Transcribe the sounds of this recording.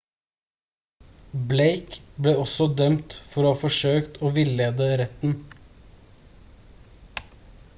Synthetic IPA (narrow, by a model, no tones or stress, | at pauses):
bleɪkbleːɔsɔd̪œmt̪fɔɾoːhɑːfɔʂøːkt̪oːʋɪleːd̪əɾɛt̪n̩